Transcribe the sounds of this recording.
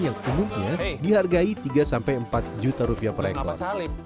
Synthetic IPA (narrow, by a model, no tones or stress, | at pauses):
jaŋumumɲadiɦarɡait̪iɡasampajəmpat̪̚d͡ʒut̪aɾupiapəɾḛkɔ̰r